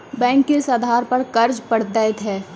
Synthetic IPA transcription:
bɛ̃ːŋkːesad̪ʱaːɾpɐɾkɐɾd͡ʒpɐɽ̤d̪ɛt̪ʰɛː

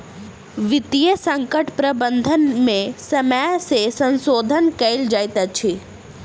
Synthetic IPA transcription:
ʋɪt̪ijəsə̃ŋkəʈpɾəbənd̪ʱənmẽsəməjsesə̃nsoːd̪ʱənkɐɪld͡ʒajt̪at͡ʃʰi

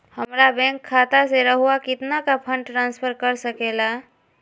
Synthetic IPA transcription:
həmɾabɛ̃ːŋkʰːaːt̪aseɾəɦuakɪt̪nakapʰə̃ɳɖʈɾãːnspʰəɾkəɾsəkeːla

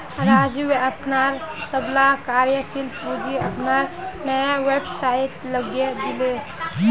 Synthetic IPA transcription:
ɾaːd͡ʒuweəpnaɾsəblakaɾjəsilpud͡ʒiəpnaɾnəjawebsait̪ləɡjed̪ɪle

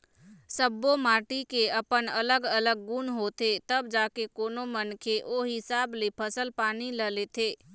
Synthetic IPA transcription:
səbːomaːʈikeəpənələɡələɡ̚ːunɦoːt̪et̪əbd͡ʒaːkekoːnomənkʰeʔoːɦɪsaːblepʰəsəlpaːniləlet̪ʰeː

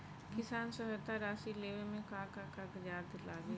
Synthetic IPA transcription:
kɪsaːnsɔɦət̪aɾaːsileːʋemẽkaːkakakd͡ʒaːd̪laːɡe

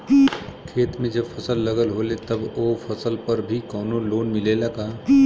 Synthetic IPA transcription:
kʰeːt̪mẽd͡ʒɐbfʰɐsəlːɐɡəlɦoːlet̪ɐbofʰɐsəlpɐɾbʱikɔːnoloːnmɪleːlakaː

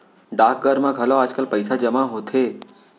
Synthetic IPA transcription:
ɖak̚ɡəɾmãɡʱəloaːd͡ʒkəlpəjsad͡ʒəmaɦot̪ʰe

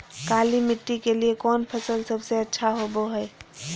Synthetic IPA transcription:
kalimiʈːikeliekɔnpʰəsəlsəbʱseətːʃʰaɦoboɦəe

